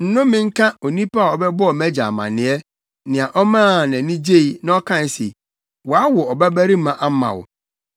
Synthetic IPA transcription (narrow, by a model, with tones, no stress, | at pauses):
n̩˨˦nʊ̃˦mɪ̃˦ŋ̩˦kʰã˦o˨nĩ˦pa˦˨ɔ˨bɛ˦bʊ˦ɔ˨mæ˦d͡ʑa̰˨mã̰˨nɪ̃˨˦ɛ˦ | nɪ̃˨ã˨ʔɔ˦mãː˦˨nã˨nĩ˦d͡ʑe˦i˨nã˦ɔ˦kʰã˦n˨sḛ˨ | wɔ˨a˦wɔ˨ɔ˨bæ˦bæ˦ɾi˦mã˨ʔa˦mã̰˨wʊ̰˨